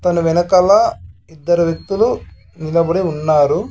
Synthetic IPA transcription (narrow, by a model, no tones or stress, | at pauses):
t̪ɐnuʋinɐkɐlːaːid̪ːɐɾuʋjɐk̚t̪ulu | nilɐbɐɽiunːaːɾu